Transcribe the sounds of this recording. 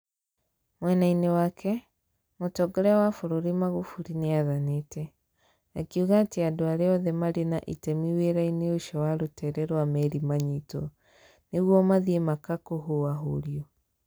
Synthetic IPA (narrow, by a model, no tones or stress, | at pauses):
mwɛnainewakʰɛ | motɔɡɔɾɛwafoɾoɾimaɣofuɾineaðanetɛ | akiuɣaːteadoaɾeɔðɛmaɾenaʔitɛmiweɾaineoʃɔwaɾotɛɾɛɾwamɛɾimaɲitɔ | neɣwɔmaðiemakakoɦoaɦoɾjɔ